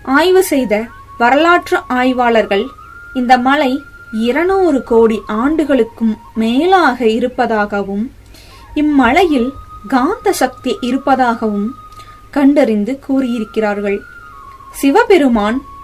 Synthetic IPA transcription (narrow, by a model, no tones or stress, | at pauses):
aːjʋɯsɛjðɐ | ʋɐɾɐlaːʈrɐʔaːjʋaːɭɐɾɣɐɭ | ɪnd̪ɐmɐlɐɪ | ɪɾɐnoːɾɯkoːɽiʔaːɳɖɯɣɐɭɯkːɯmːeːlaːɣɐɪɾɯpːɐðaːɣɐʋɯm | ɪmːɐlɐjɪlɡaːnd̪ɐsɐk̚t̪ijɐʔɪɾɯpːɐðaːɣɐʋɯm | kɐɳɖɐɾɪnd̪ɯkuːrɪjɪɾɯkːɪraːɾɣɐɭ | sɪʋɐpɛɾɯmaːn